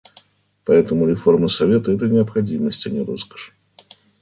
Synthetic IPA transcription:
paɛt̪əmʊɾʲɪformɨsavʲet̪ɐɛt̪ənʲɪɐpxad͡zʲiməsʲt͡sʲɐnʲiɾɔskə̥ʂ

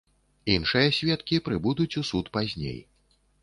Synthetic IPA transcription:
inʂɨjɐsʲvʲɛt̪kʲipɾɨbud̪ut͡sʲusut̪pazʲnʲḛj

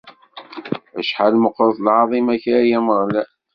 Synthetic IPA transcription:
æʃħalməqːɾəðˤlʕɑðˤimæçɾæjæməʁlæ

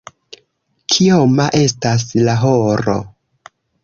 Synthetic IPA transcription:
kʰiomaʔe̞staslaɦoɾo̰

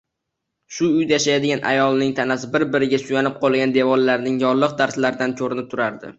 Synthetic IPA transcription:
ʃʊʊjd̪ajaʃajad̪ɪɡʲanʔa̰jɒlˠnɪŋt̪ʰanasɪbɪɾbɪɾɪɡʲasʊjanɪp̚qʰɒlˠɡʲand̪e̞vɒɾlaɾnɪŋjɒɾlˠɨq̚d̪aɾslaɾd̪ankʲʰoɾɪnɪp̚t̪ʰʊɾaɾd̪ɪ̰

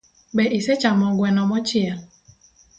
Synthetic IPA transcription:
bɛʔiset͡ʃamɔɡwɛnɔmɔt͡ʃiɛl

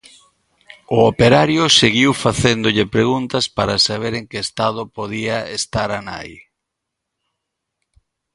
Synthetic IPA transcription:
ʊopeɾaɾjʊseɣiwfaθend̪ʊʎɪpɾeɣunt̪ɐspaɾasaβ̞eɾeŋkɪːst̪að̞ʊpoðiaest̪aɾana̰j

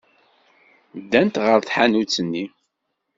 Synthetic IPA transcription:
d̪ːænt̪ʁəɾθħanut͡sːənːi

